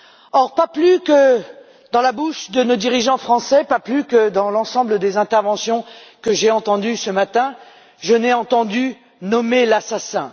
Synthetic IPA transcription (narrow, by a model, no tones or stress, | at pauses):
ɔʁpaplykə | d̪ɑ̃labuʃd̪ənod̪iʁiʒɑ̃fχɑ̃sɛpaplykəd̪ɑ̃lɑ̃sɑ̃bləd̪ezɛ̃t̪ɛʁvɑ̃sjɔ̃kəʒeɑ̃t̪ɑ̃d̪ysəmat̪ɛ̃ | ʒənɛɑ̃t̪ɑ̃d̪y | nɔmelasasɛ̰̃